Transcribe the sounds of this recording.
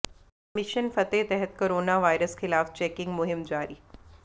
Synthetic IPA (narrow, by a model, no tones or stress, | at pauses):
mɪʃənfɐt̪et̪ɛɦɛt̪koɾoːnaʋajɾəsxɪlaːft͡ɕɛːkɪ̃ŋɡmʊɦɪmd͡ʑaːɾiː